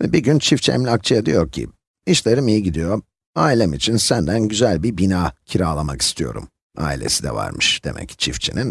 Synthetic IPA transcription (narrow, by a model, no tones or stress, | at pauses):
vɛbiɟynt͡ʃʰift͡ʃʰɛ̰mlʲak̚t͡ʃʰajad̪ijo̞ɾcʰḭ | iʃlʲeɾɯmijiɟid̪ijo̞ | aːilʲɛmit͡ʃʰinsænd̪ænɟyzælʲbiɾbinaːcʰiɾaːlˠamaki̥st̪ʰijo̞̰ɾṵm | a̰ːilʲe̞̰sid̪ɛ̰va̰ɾmɯʃd̪̥e̞̰mʔɛ̰ct͡ʃʰift͡ʃʰinin